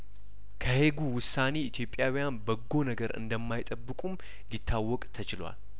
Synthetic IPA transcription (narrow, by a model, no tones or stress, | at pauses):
kʰəhe̞ɡuwʊsane̞it̪ʰjo̞pʼjawijanbəɡːo̞nəɡəɾɨ̰nd̪əmːajt̪ʼəbːɨkʼum | lit̪ʰːawːɔkʼt̪ʰət͡ʃɪlwa̰l